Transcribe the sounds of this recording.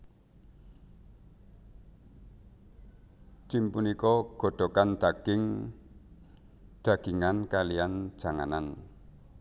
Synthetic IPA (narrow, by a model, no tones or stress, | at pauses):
t͡ʃimpunikɔɡ̥o̤ɖ̪̥ɔ̤kand̪̥aɡ̥ɪŋ | d̪̥a̤ɡ̥iŋankalian̥ʒ̥a̤ŋa̰nan